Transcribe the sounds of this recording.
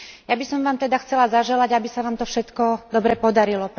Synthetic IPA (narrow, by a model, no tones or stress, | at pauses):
jabisɔmʋaːmt̪ɛd̪axt͡sɛlazaʒɛlaɟabisaʋaːmt̪ɔfʃɛt̪kɔd̪ɔbɾɛpɔd̪aɾilɔp